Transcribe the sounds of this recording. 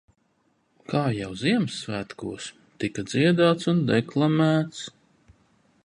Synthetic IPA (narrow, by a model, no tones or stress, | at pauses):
kʰaːjawziɛmsːvæːt̪kṵɔs | t̪ikad̪ziɛd̪aːt̪sund̪ɛklˠamæːt̪s